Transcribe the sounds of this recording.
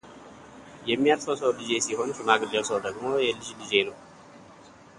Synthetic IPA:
jɛmːijalfəwsəwlɨze̞siho̞nt͡ʃunaɡɨd̪əwsəwd̪əɡmo̞jɛlɨd͡ʒlɨze̞nəw

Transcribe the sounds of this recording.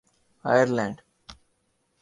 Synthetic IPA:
a̰jəɾlɛ̃ːɳɖ

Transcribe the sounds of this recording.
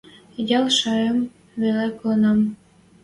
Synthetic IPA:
jɑlʃɑɾem | βeleklɤnɑm

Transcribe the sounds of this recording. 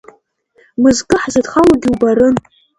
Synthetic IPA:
mɨzkʼɨħzadχalaɡʲɪubaɾɨn

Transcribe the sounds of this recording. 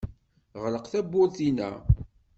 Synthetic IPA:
ʁləqθæbːʊɾθinæ̰

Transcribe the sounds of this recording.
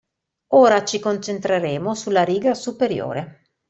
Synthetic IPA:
oːɾat͡ʃikont͡ʃent̪ɾeɾeːmosulːaɾiːɡasupeɾjo̰ːɾe

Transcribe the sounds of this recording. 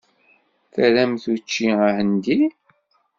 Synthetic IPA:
θəɾæmθut͡ʃːiahənd̪i

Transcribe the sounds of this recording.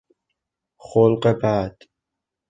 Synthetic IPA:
χolqʼɛbaːd̪

